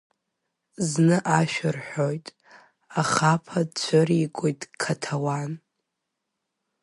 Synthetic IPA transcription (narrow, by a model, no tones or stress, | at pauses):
znɨʔaʃᶣɪrħʷojtʼ | aχapʰadt͡ɕʷʰɨɾikʷʼojtʼkʰatʰawan